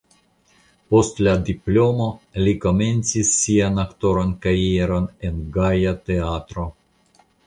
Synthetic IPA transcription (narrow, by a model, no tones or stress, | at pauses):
po̞st̪lad̪iplo̞mo̞liko̞me̞nt͡sisːianakt̪o̞ɾonkaieɾo̞nenɡajat̪eat̪ɾo̞